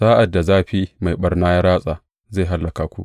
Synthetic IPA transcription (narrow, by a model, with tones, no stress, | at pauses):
saː˦ʔa˨dːa˨zaː˦˨ɸi˦ma˨jɓɐ˦rnaː˦ja˦ɾaː˦sʼaː˨ | zeː˦˨ɦa˦lːɐ˨kaː˨˦kʷu˦ʔ